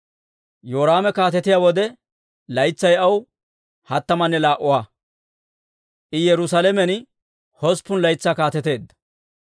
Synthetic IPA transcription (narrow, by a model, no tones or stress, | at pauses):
joːɾaːmɛkaːt̪ɛt̪ɪjawɔd̪ɛ | lɐjt͡sːɐjɐw | hɐt̪ːɐmɐnːɛlaːʔʊwaː | ʔɪjɛɾʊsalɛmɛn | hɔspːʊnlɐjt͡sːaːkaːt̪ɛt̪e̞ːd̪ːɐ̥